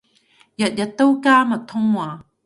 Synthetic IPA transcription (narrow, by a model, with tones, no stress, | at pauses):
jɐ˨t̚jɐ˨t̪ːə˦˥wka˥mɐ˨t̪ʰʊ˥ŋwa˨